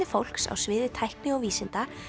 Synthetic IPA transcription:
nɪfowl̥ksa̰wsvɪːðɪt̪ʰajhknɪɔɣviːsɪnt̪a

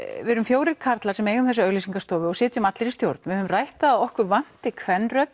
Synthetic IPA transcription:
vɪɾʏmfjoːwɾɪɾkʰaɾt̪lḁsɛmeːjɣʏmθɛsːaœɣlisiŋkast̪ɔːvɪɔɣsɛːt̪ʏmat̪lɪɾist̪jowɾt̪nvɪhʏʏmrajht̪aaɔhkvʏɾvan̥t̪ɪkʰvɛnːrœt̪

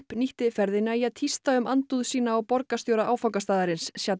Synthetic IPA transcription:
pniht̪ɪfɛɾðɪnːaiaðt̪ʰist̪aʏmant̪uðsiːnaːwpɔɾkast̪joːwɾaʔaːwfawkast̪aːðaɾɪnsːjat̪

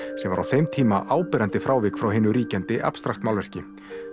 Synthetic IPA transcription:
sɛmva̰ɾa̰wθejmt̪ʰiːmaʔaːwpɛɾant̪ɪfɾaːwvɪkfɾawɦɪːnʏɾiːcant̪ɪʔa̰pst̪ɾaxt̪mawlvɛr̥cɪ

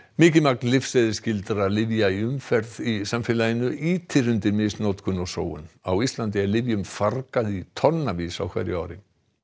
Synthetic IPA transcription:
mɪːcɪmak̚nlɪfsɛðɪscɪlt̪ɾalɪvjaiʏmfɛɾðisamfɪːlajɪnʏʔiːt̪ʰɪɾʏnt̪ɪɾmɪsnowt̪kʰʏnɔso̰ːwʏ̰nawist̪lant̪ɪɛɾlɪvjʏmfarkaðit̪ʰɔnnːavisa̰wkʰvɛ̰jɾjʏa̰ːwɾɪ

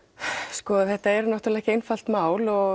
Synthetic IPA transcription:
skɔθɛht̪aɛɾnawht̪ɾlɛcejnfal̥t̪maːwlɔ

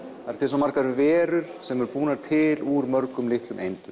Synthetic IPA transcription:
aɾ̥t̪ʰɪsɔmːaɾ̥kaɾvɛːɾʏɾ̥sɛmɛɾpuːnaɾt̪ʰɪluɾmœɾkʏmlɪht̪lʏmʔḛjnt̪ʏ

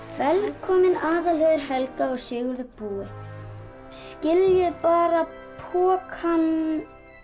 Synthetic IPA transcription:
vɛlkʰɔːmɪnaːðaleðɪɾ̥hɛlkaɔɣsɪːɣʏɾðʏpuːɪ | scɪljʏðpaːɾa | pʰɔːkhan

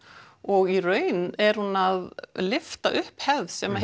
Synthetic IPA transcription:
ɔɣirœːɥnɛɾ̥hunaðlɪft̪aʔʏhphɛðsɛma

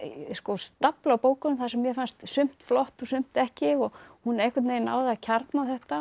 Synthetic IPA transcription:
skɔst̪aplawpoːwkʏnʏmθasɛmːjɛfanst̪sʏm̥t̪flɔht̪ɔsʏm̥t̪ɛhcɪɔɣhunːejhkvat̪nejɪna̰wðacʰaɾt̪naθɛht̪a

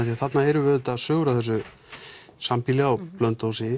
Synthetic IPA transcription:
θiaθat̪naɛɾʏvɛðʏt̪aðsœːɣɾaθɛsːʏ | sampilɛɣawplœnt̪owsɪ

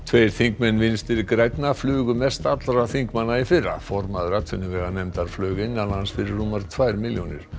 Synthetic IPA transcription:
t̪ʰvejɾ̥θiŋkmɛnːvɪnst̪ɪɾkɾajt̪naflʏːɣʏmɛst̪at̪lɾaθiŋkmanːaifɪrːa̰fɔɾmaðʏɾat̪ʰʏnːʏvɛːɣanɛmt̪aɾ̥flœːɣɪnːanaansfɪɾɪɾumaɾ̥t̪ʰvajɾmɪljonɪ̰ɾ̥

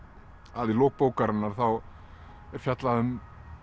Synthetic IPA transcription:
aðiloːk̚poːwkaɾanːaɾ̥θaw | ɛɾ̥fjat̪laðʏm

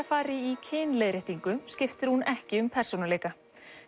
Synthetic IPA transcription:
afaːɾɪicʰɪːnleːðɾɪht̪iŋkʏscɪft̪ɪɾ̥hunɛhcɪʏmpʰɛr̥sonaleːjka

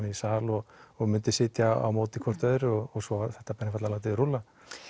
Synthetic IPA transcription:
nɪisaːlɔɣɔɣmʏnt̪ɪsɪːt̪jaa̰wmoːwt̪ɪkʰvɔr̥t̪œðʏɾɔɣɔɣsɔaθɛht̪ːapɛnːɪfat̪lalat̪ɪɾula

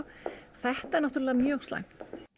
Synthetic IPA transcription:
θɛht̪aɛɾnaht̪uɾlːðamjœːɣst̪la̰ŋkt̪

